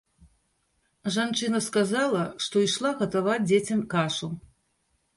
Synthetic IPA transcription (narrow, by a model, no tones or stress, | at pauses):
ʐant͡ʂɨnɐskazalˠɐʂt̪ɔiʂlˠaɣɐt̪avad͡zʲd͡zʲet͡sʲɐmkaʂu